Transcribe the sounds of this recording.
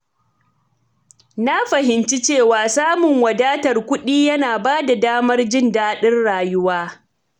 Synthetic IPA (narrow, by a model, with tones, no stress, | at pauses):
na˦ɸɐ˨ɦɪ˨nt͡ʃi˦t͡ʃeː˦˨waː˨saː˦mʊ˨ŋwɐ˨daː˦tɐ˨rkʷʊ˦ɗiː˦jɐ˦naː˨baː˦da˨daː˦mɐ˦rd͡ʒɪ˦ndaː˦ɗɪ˦rɽaː˨jʊ˦waː˦